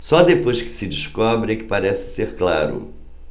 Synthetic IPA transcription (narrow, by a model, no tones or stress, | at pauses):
sɔd̪epojskɪ̥sɪd͡ʒiʃkɔbɾɪɛkɪ̥paɾɛsɪ̥seɾkla̰ɾʊ̰